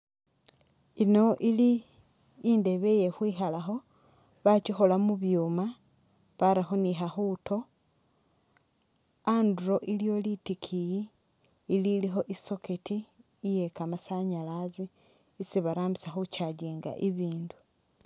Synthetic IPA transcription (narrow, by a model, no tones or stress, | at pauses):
ino̞ʔiliː | nde̞βeje̞hwiːxalaxo̞ | βacixo̞lamuβjuːma | βaɾaxoniɦaxuːto̞ | anduɾo̞ʔiljo̞litikʰijiː | lilixo̞ʔiso̞ketiː | je̞kamasaɲalaziː | siβaɾaːmbisaxucaɟiːŋɡa̰ʔiβiːndu̥